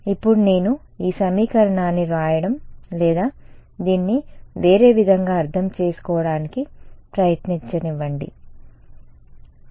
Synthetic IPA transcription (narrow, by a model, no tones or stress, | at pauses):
ipːuɽune̞ːnu | iːsɐmiːkɐɾɐɳaːnːiɾaːjɐɽɐmlɛːd̪aːd̪iːnːiʋe̞ːɾe̞ːʋid̪ʱɐŋɡaːɾt̪ʰɐmt͡ʃe̞ːsu̥kɔːʋɐɽaːnikipɾɐjɐt̪niɲt͡ʃɐniʋːɐɳɖḭ